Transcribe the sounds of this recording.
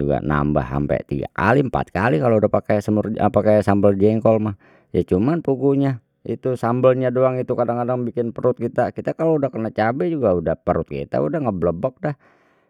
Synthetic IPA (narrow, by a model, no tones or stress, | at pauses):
uɡa̰na̰mba̰hːa̰mpɛ̰t̪iɡa̰ka̰liəmpa̰t̪̚kalikaloudahpakajsəmʊra̰pakajsambəld͡ʒɛŋkɔlmah | jat͡ʃumanpuɡuɲa | ḭt̪usambəlɲadoaŋit̪ukadaŋkadaŋbikɪnpəɾʊt̪̚kit̪akit̪akaloudahkənat͡ʃabɛd͡ʒuɡaudahpəɾʊt̪̚kḭt̪a̰udahŋəbləbɔk̚dah